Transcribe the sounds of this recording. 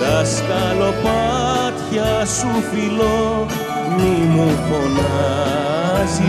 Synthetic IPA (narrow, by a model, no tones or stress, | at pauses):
ɐsk̪ɐlopat̪çɐsufilo | mimukona | zi